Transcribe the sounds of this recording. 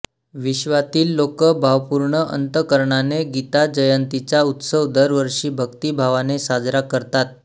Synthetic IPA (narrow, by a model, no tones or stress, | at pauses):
ʋiɕʋat̪iːlːokəbʱaʋpuɾɳəʔə̰nt̪əkəɾɳaneɡit̪ad͡ʑəjənt̪it͡ɕaut̪səʋd̪əɾʋəɾʂiːbʱəkt̪iːbʱaʋanesad͡zɾakəɾt̪at̪̚